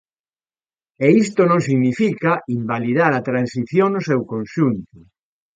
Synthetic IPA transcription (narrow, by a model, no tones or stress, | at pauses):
eist̪onõŋsiɣnifikaimbaliðaɾat̪ɾansiθjoŋnosewkõnʃunt̪o